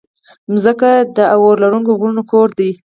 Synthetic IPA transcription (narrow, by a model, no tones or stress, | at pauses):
mzəkad̪əawoɾlaɾuŋkoɣɾunokoɾd̪i